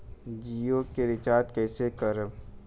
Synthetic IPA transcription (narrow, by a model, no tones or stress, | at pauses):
d͡ʒijoːkːeɾɪt͡ʃaːt̪kɛːsekəɾəm